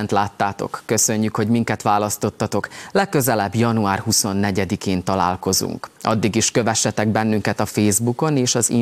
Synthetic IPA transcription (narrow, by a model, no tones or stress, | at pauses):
nt̪laːt̪ːaːt̪o̞̰kːø̞sø̞ɲːykho̞ɟmiŋkɛt̪ʋaːlɒst̪o̞t̪ːɒt̪o̞klɛkːøzɛlɛbjɒnuaːrɦuso̞nːɛɟɛd̪ikeːnt̪ɒla̰ːlko̞zṵŋkʔɒ̰d̪ːiɡiʃkø̞vɛʃːɛt̪ɛɡbɛnːyŋkɛt̪ɒfeːzbuko̞neːʃɒzi